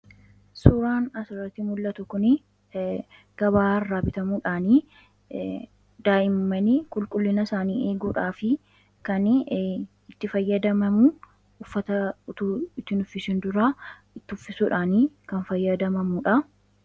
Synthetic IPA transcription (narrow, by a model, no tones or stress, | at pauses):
suːɾaːnɐsɪrːɐt̪ːɪmʊlːɐt̪ʊkʊnɪ | ɡ̥ɐbaːɐrːaːbɪt̪ɐmuːᶑaːniː | d̪aːʔɪmːɐnikʼʊlkʼʊlːɪnɐsaːniːe̞ːɡuːᶑaːfɪ | kɐn | ɪt̪ːɪfɐjːɐd̪ɐmɐmu | ʊfːɐt̪ɐʊt̪uːɪt̪ːɪnʊfːɪsɪnd̪ʊɾa | ɪt̪ːɪʊfːɪsuːᶑaːniːkɐnfɐjːɐd̪ɐmɐmuːᶑɐ